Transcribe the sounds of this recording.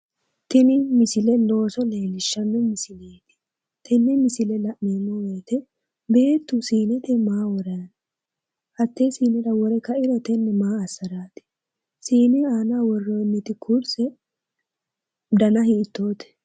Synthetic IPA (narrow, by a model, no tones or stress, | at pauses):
t̪ɪnɪmɪsɪlɛlo̞ːsɔleːnɪʃːɐnːɛmɪsɪleːt̪ɪ̥ | t̪ʰɪnːɪmɪsɪlɛlɐʔneːnːɔweːt̪ɛ | be̞ːt̪ːʊsiːnɪt̪ɛmaːwɔɾɐn | hɐt̪ːesiːnɪᶑɐwɔɾɛkɐɪɾɛt̪ɛnːɛmaːɐsːɐɾaːt̪ɪ̥ | siːnɪaːnawɔrːonːɪt̪ɪkʰuɾsɛ | d̪ɐnɐhiːt̪ːo̞ːt̪ɛ̥